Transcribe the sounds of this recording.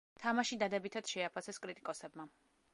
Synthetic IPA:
t̪ʰamaʃid̪ad̪ɛbit̪ʰad̪̥ʃɛapʰasɛskʼɾit̪ʼikʼɔsɛbma

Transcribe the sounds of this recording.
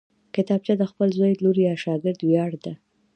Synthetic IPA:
kɪt̪ɑb̚t͡ʃad̪əxpəlzaj̪loɾijɑʃɑɡɪɾd̪wjɑɽd̪a

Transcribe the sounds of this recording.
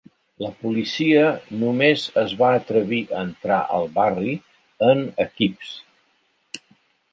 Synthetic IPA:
ləpulisiənumezəzβaət̪ɾəβ̞iʔəːnt̪ɾa̰ʔə̰lˠβari | ənəkips

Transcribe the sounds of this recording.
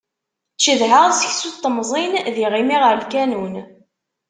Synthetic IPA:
t͡ʃːiðɦəʁsəçsut̪ˤːəmzˤinðiʁimiʁəɾəlkænun

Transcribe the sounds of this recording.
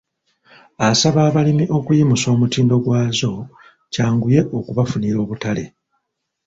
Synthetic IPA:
asaβaːβalimiʔo̞kujimuso̞ːmutiːndo̞ɡwaːzo̞ | caːŋɡuje̞ʔo̞kuβafuniɾo̞ːβutale̞̰

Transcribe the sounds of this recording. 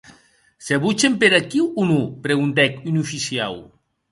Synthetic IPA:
seβut͡ʃempeɾakiwunupɾeɣunt̪ɛkynufisia̰w

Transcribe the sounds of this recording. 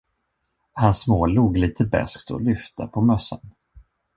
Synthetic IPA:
hansmoːluːɡliːt̪ʰəbɛ̰skt̪ʰɔ̰lʏft̪ʰəpʰɔmœsːə̰n

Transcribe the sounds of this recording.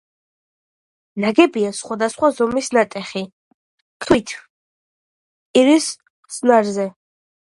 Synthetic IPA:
naɡɛbiasχwad̪asχwazɔmisnat̪ʼɛχi | t̪ʰwit̪ʰ | iɾis | χsnaɾzɛ

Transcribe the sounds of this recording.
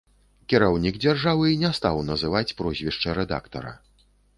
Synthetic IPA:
kʲiɾawnʲiɡd͡zʲarʐavɨnʲɛst̪awnɐzɨvat͡sʲpɾɔzʲvʲiʂt͡ʂɐɾɛd̪a̰kt̪ɐ̰ɾɐ̰

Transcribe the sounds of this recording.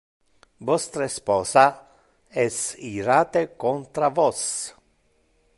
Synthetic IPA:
vɔst̪ɾespɔːsa | ɛsiɾaːt̪ekont̪ɾavɔs

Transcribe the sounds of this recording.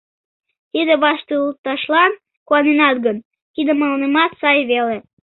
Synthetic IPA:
t̪id̪eβɑʃt̪əut̪ːɑʃlɑn | kuɑnenɑt̪ɡən | kid̪emɑlənəmɑt̪sɑjβele

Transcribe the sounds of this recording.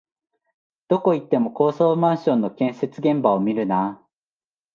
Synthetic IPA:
d̪̥o̞ko̞it̪ːe̞mo̞ko̞ːsoːmãɰ̃ɕõ̞nːo̞kẽ̞ɰ̃se̞t͡sɨɡẽ̞mbaomʲiɾɯ̟na

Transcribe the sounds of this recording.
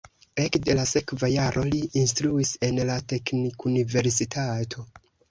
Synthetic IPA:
e̞kde̞lase̞kvajaɾʔo̞liʔːnstɾuise̞nlate̞knikunive̞ɾsitʰatʰo̞

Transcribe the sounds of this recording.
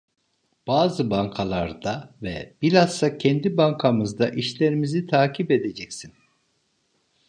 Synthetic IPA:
b̥aːzɯbaŋkʰalˠaɾd̪avɛ̰b̥ilʲasːacʰɛnd̪ibaŋkʰamɯzd̪aʔiʃlʲe̞ɾimizit̪ʰaːcʰiped̪e̞d͡ʒɛcsin

